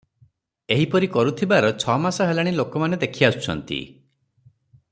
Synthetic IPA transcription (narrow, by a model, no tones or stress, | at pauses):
eɦipɔɾikɔɾut̪ʰibaɾɔt͡ʃʰɔmasɔɦelaɽ̃ilokɔmaned̪ekʰiasu̥t͡ʃʰɔ̰nt̪ḭ